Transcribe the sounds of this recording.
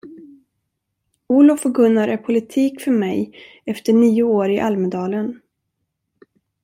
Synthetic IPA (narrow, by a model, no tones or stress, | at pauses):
uːlʊfɔɡɵnːaɾʔæɾpʰʊlɪt̪ʰiːkfœɾmɛj | ɛft̪əɳiːʊoːɾɪʔalmd̪ɑːlən